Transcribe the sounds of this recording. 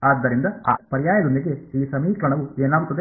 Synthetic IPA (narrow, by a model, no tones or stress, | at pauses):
aːd̪ːɐɾind̪ɐa̰ːpɐɾijaːjɐd̪und̪iɡeiːsɐmiːklɐɳɐʋueːnaːɡut̪ːɐd̪e